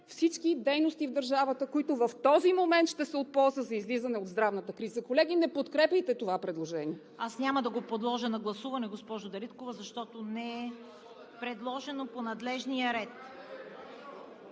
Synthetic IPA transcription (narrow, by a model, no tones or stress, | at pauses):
fsit͡ʃkid̪ɛjnost̪ivd̪əɾʒavət̪əkoit̪ovɐft̪ɔzimomɛnt̪ʃt̪ɛsɛot̪̚pɔlˠzəzɐizlizɐnɛod̪zd̪ɾavnət̪əkɾizəkolɛɡ̟inɛpot̪kɾɛpʲjəjt̪ɛt̪ovapɾɛd̪lˠoʒɛniɛ | asnʲaməd̪ɐɡopod̪lˠɔʒənɐɡlˠɐsuvɐnɛɡospɔʒod̪ɐɾit̪kovəzɐʃt̪ɔt̪onɛɛ | pɾɛd̪lˠɔʒɛnoponɐd̪lɛʒnijəɾɛt̪